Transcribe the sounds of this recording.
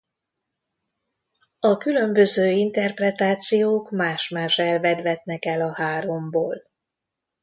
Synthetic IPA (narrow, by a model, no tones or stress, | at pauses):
ɒkylø̞mbø̞zøːint̪ɛrprɛt̪aːt̪sijoːkmaːʃmaːʃɛlvɛd̪ʋɛt̪nɛkɛlɒhaːɾo̞mboːl